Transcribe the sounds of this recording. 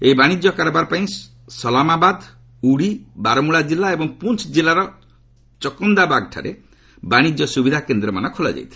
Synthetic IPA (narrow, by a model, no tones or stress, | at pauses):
eibaɽ̃id͡ʒjɔkaɾɔbaɾɔpaĩ | sɔlamabad̪ | uɽibaɾɔmuɭad͡ʒilːaebɔŋpunt͡ʃʰd͡ʒilaɾɔ | t͡ʃɔkɔnd̪abaɡʈʰa̰ɾe | baɽ̃id͡ʒjɔsubid̪ʱakend̪ɾɔmanɔkʰolɔ̰d͡ʒa̰jt̪ʰil